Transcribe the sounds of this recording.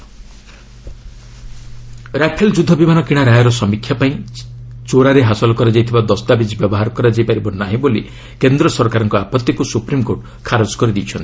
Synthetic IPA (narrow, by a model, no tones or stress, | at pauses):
ɾapʰeld͡ʒud̪ʱːɔbimanɔkiɽ̃aɾajɔɾɔsɔmikʰːjapaĩt͡ʃoɾaɾeɦasɔlɔkɔɾad͡ʒajt̪ʰibad̪ɔst̪abid͡ʒbjɔbɔɦaɾɔkɔɾad͡ʒajpaɾibɔnaɦĩboli | kend̪ɾɔsɔɾkaɾɔŋkɔapɔt̪ːikusupɾimkoɾʈ | kʰaɾɔd͡ʒkɔɾid̪ijt͡ʃʰɔnt̪i̥